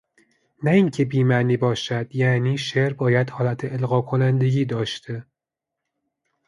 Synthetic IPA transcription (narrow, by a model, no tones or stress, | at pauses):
næiːŋcʰe̞biːmæniːbɒːʃæd̪̥jæniːʃeɾbɒːjæd̪hɒːlæt̪ʰeelɣɒːkʰo̞nænd̪e̞ɡʲiːd̪ɒːʃt̪ʰe